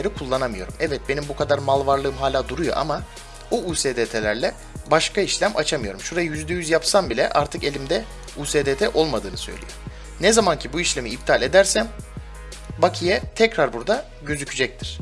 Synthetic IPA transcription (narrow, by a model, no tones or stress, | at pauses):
eɾikʰulˠːanamɯjo̞ɾumɛvɛt̪̚be̞nimbukʰad̪aɾmalˠvaɾlˠɯːɯmɦaːlʲaːd̪uɾujo̞̰ʔa̰ma | buuːseːd̪et̪ʰelʲæɾlʲɛ | baʃkaiʃlʲæmʔat͡ʃʰamɯjo̞ɾumʃuɾajɯjyzd̪ɛjyzjapsambilʲɛ̰ʔa̰ɾt̪ʰɯke̞lʲimd̪ɛ | uːseːd̪et̪ʰɛʔo̞lˠmad̪ɯːnɯsø̞̰jlʲḭjo̞̰ | nɛzamancʰibuiʃlʲe̞miːb̚t̪ʰalʲe̞d̪æɾsæm | bakʰɯjɛt̪ʰɛcɾaɾbuɾd̪a | ɟø̞zycʰyd͡ʒɛc̚t̪ʰiɾ̥